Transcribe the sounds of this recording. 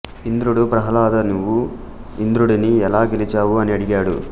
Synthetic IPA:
ind̪ɾuɽupɾɐɦɐlaːd̪ɐnuʋːu | ind̪ɾuɽiniɛlaːɡelit͡ʃaːwuɐniɐɽiɡaːɽṵ

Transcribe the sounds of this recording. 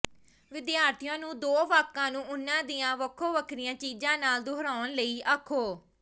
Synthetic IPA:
ʋɪd̪jaːɾt̪ʰijãːnũːd̪oːʋaːkːãːnũːʊnːãːd̪ijãːʋəkʰːoːʋəkʰɾijãːt͡ʃiːd͡ʒãːnaːld̪oɦɾaːnləiːʔəkʰːoː

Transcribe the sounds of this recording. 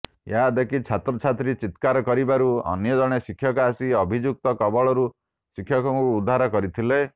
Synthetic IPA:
jad̪ekʰit͡ʃʰat̪ɾɔt͡ʃʰat̪ɾit͡ʃit̪kaɾɔkɔɾibaɾuɔ̰njɔd͡ʒɔɽ̃esikʰːjɔkɔasiɔbʱid͡ʒuk̚t̪ɔkɔbɔɭɔɾu | sikʰːjɔkɔŋkuːd̪ʱːaɾɔkɔɾit̪ʰile

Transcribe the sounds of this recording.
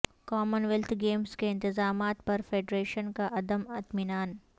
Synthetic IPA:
kɔːmənʋɛlt̪ʰɡeːmskeɪ̃nt̪ɪzaːmaːt̪̚pɐɾfeːɖɾeːʃənkaʔɐd̪əmɐt̪mɪnaːn

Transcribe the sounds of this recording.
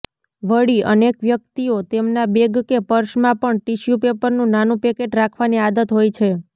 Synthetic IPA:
ʋəɽiə̰nekʋjək̚t̪iot̪emnabeɡkepəɾʃmãpəɳʈiʃjupepəɾnũnanũpekeʈɾakʰʋaniad̪ət̪ɦojt͡ʃʰe

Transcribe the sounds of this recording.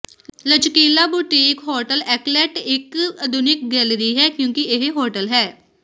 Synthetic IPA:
ləd͡ʒkiːlaːbʊʈikɦoːɾʈəlɛːklɛːʈɪkəd̪ʊnɪk̚ɡɛːlɾiːɦɛːkjũːkieɦɦoːɾʈəlɦɛː

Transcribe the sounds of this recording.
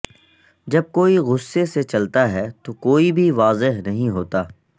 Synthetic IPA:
d͡ʒɐb̚koːiɣʊsːeset͡ʃɐlt̪aɦɛt̪okoːibʱiʋaːzɪɦnɐɦĩɦoːt̪aː

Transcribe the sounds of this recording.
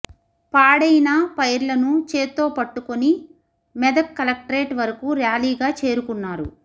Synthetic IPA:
paːɽɐjinɐpɐjɾlɐnut͡ʃe̞ːt̪ːo̞ːpɐʈːukoni | mɛd̪ɐkkːɐlɐk̚ʈɐɾe̞ːʈʋɐɾɐkuɾjaːliːɡaːt͡ʃe̞ːɾukunːaːɾṵ

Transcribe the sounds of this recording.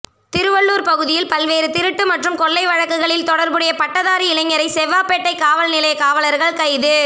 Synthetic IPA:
t̪ɪɾɯʋɐɭːuːɾpɐɣɯðɪjɪlpɐlʋeːɾɯt̪ɪɾɯʈːɯmɐʈrɯmkɔɭːɐɪʋɐɻɐkːɯɣɐɭɪlt̪ɔɽɐɾbɯɽɐjɐpɐʈːɐðaːɾiɪlɐŋːɐɾɐɪsɛʋːaːpɛʈːɐɪkaːʋɐlnɪlɐjɐkaːʋɐlɐɾɣɐɭkɐɪðɯ

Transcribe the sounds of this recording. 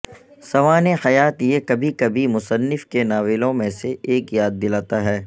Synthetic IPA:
sɐʋaːnẽxɐjaːt̪jekɐbʱikɐbʱimʊsənːɪfkenaːʋɪlõmẽseʔeːkjaːd̪̚ːɪlaːt̪aɦɛː

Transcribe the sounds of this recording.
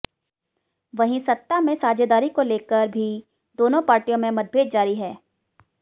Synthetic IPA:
ʋɐɦĩsɐt̪ːamẽsaːd͡ʒed̪aːɾikoleːkəɾbʱi | d̪oːnõpaːɾʈijõmẽmɐd̪̚bʱeːd̪̚d͡ʒaːɾiɦɛː

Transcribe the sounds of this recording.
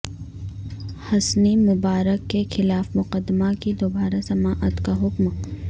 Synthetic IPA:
hɐsnimʊbaːɾəkːexɪlaːfmʊqəd̪ːmakid̪oːbaːɾasɐmaːʔət̪kaɦʊkm

